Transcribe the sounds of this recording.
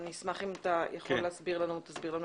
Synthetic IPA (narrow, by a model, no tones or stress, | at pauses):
nismaχimat̪ajaχoleasbiʁlanut̪asbiʁlanu